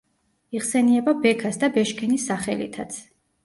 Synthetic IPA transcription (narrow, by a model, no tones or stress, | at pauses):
iʁsɛniɛbabɛkʰasd̪abɛʃkʰɛnisːaχɛ̰lḭt̪ʰat̪sʰ